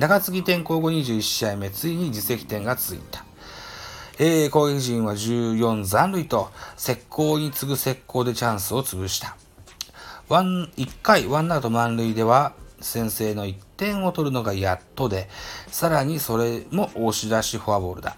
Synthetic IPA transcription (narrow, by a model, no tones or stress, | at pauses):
naɡat͡sɨɡʲit̪ẽ̞ŋko̞ːɡo̞ɲ̟iʑɨːiɕːaime̞t͡sɨiɲ̟id͡ʑise̞kʲi̥t̪ẽ̞ŋɡat͡sɨḭt̪ḁ | eːko̞ːɡe̞kʲiʑĩɰ̃βaʑɨːjõ̞nd͡zãnɾɯ̟it̪o̞se̞kʰːo̞ːɲ̟it͡sɨɡɯ̟se̞kʰːo̞ːd̪e̞t͡ɕãɰ̃sɨo̞t͡sɨbɯ̟ɕi̥t̪ḁ | βaikːaiβãnːat̪o̞mãnɾɯ̟id̪e̞β̞asẽ̞ɰ̃se̞ːno̞it̪ːẽ̞ɰ̃o̞t̪o̞ɾɯ̟no̞ɡajat̪ːo̞d̪e̞saɾaɲ̟iso̞ɾe̞mo̞ʔoɕid̪aɕiɸɯabo̞̰ːɾɯ̟d̪a̰